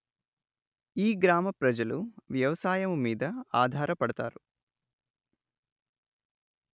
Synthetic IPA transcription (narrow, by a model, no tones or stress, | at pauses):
iːɡɾaːmɐpɾɐd͡ʒɐluʋjɐʋɐsaːjɐmumiːd̪ɐaːd̪ʱaːɾɐpɐɽɐt̪a̰ːɾu